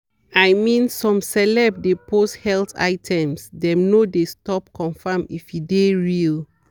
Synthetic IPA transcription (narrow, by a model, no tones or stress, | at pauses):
ajmĩnsɔ̃msɛlɛbdepʰosthɛlta̰ɪtʰɛ̃msdɛ̃mnodestɔp̚kʰɔ̃nfãmifjideɹil